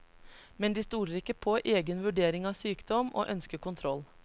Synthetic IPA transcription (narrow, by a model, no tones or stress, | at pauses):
mɛnd̪iːst̪uːɾəɾɪkəpʰoʔeːɡənʋʉɖeːɾɪŋɑːʋsyːkd̪ɔmʔo̰ːʔœnskəkʰʊnt̪ʰɾɔl